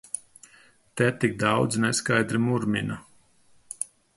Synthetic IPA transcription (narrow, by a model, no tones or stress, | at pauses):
t̪ɛt̪ik̚d̪ɑwd̪znɛskajd̪ɾimuɾmina